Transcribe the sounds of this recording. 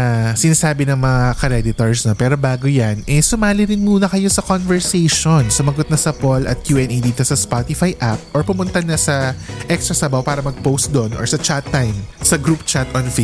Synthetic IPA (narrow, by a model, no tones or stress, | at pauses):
sɪnaːsaːbɪnɐŋmɐŋakɐɾɛd̪ɪt̪oɹsnopɛːɾo̞baːɡojanʔɛsʊmaːlɪɾɪnmuːnɐkɐjo̞sɐkonvɛɹsɛjʃonsʊmɐɡot̪̚nɐsɐpolɐ̰t̪̚kjuːʔɛnʔejd̪iːt̪o̞sɐspat̪ɪfajʔap̚ʔoɹpʊmʊnt̪ɐnɐsɐʔɛkst̪ɾɐsɐbɐwpaːɾɐmɐɡ̚powst̪̚d̪onɔɹsɐt͡ʃat̪ːajmsɐɡɾup̚t͡ʃat̪ɔnfe